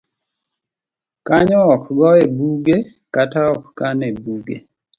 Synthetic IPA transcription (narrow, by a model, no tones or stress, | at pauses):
kaɲɔɔkɡɔebuɡe | kataɔkkanebuɡḛ